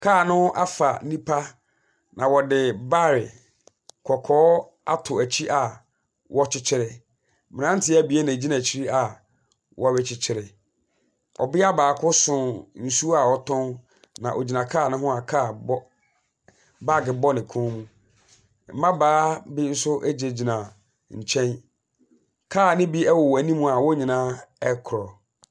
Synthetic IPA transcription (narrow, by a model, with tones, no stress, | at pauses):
kʰaː˦˨nʊ̃˦ʔa˦fa˨˦nĩ˦pʰa˦ | nã˨wɔ˨dɪ˨ba˦˨ɾɪ˨ | kʰɔ˨kʰɔː˨˦ | a˦tʰʊ˨æ˨t͡ɕʰi˦ʔa˨ | wʔɔ˦t͡ɕʰɪ˦t͡ɕʰɪ˦ɾɪ˨ | mɪ̃˨nã˦n̩˦tʰɪ˦æ˦bi˨˦e˦nã˨d͡ʑi˦nã˨t͡ɕʰi˦ɾi˦a˨ | wʔɔ˦ɥɪ˦t͡ɕʰɪ˨t͡ɕʰɪ˦ɾɪ˨ | ɔ̰˨bɪ˦a˦baː˨kʰʊ˦sʊ̃˨n̩˨su˦a˨ɔ˦tʰɔ̃˦n | nã˨ʔo˨d͡ʑi˨nã˨kʰaː˦˨nɪ̃˦ɦʊ̃˦a˨kʰa˦˨bɔ˦ | ba˦˨ɡɪ˨bɔ˦nɪ̃˨kʰɔ̃˦mũ˦ | m̩˦mã˦baː˨˦bɪ˦n̩˦sʊ˦ʔæ˦d͡ʑe˨d͡ʑi˨nã˨ | ɲ̩˨t͡ɕʰɛ̃˦n | kʰaː˦˨nɪ̃˦bi˦ɛ˦wɔ˨wæ˨nĩ˦mũ˦a˨wɔ˦ɲĩ˨nã˦ɛ˦kʰʊ˨ɾɔ˨